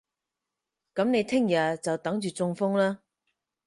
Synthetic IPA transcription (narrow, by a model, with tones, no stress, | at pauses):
kɐ˨˥mne˨˧jt̪ʰɪ˥ŋjɐ˨˩t͡sɐ˨wt̪ɐ˨˥ŋt͡ʃyː˨t͡sʊ˧ŋfʊ˥ŋlaː˥